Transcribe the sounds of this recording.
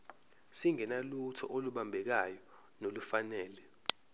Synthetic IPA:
siŋɛnalutʰɔ̰ʔoluɓambʱɛk̬ajɔ | nolufanɛːlɛ

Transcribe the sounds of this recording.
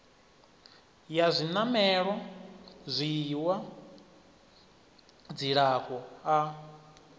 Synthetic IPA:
jazʷinamɛɺwa | zʷiwa | d͡ziɺakʼɔa

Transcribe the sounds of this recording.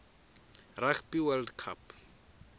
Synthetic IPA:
rakʰpiwɛldkʰa̰p

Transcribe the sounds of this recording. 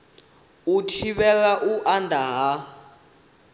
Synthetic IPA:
utʰiɓɛkaʔuʔandʱaɦa

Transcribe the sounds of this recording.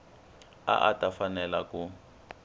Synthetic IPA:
a̰ʔatʼafanɛlaku

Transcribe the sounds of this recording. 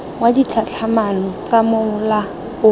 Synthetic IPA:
ŋwadit͡ɬʰat͡ɬʰamalɔt͡samʊʊla | ʊ

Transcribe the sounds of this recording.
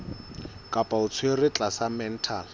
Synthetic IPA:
kʼapʼaʊt͡sʰwerɪt͡ɬʼasamɛn̩tʰal

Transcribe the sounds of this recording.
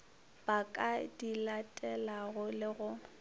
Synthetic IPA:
b̥akʼadilatʼɛlaɣʊlɪɣʊ

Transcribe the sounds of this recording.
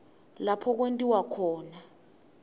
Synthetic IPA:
lapʰɔk̬wentʼiwakʰɔːna

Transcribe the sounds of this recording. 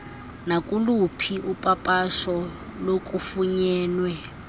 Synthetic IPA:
nakʼulupʰiʔupʼapʼaʃɔlokʼufuɲɛːnwɛ

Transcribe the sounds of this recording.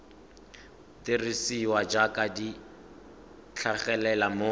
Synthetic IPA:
tɪrisiwad͡ʒakʼadi | t͡ɬʰaχɛlɛlamo

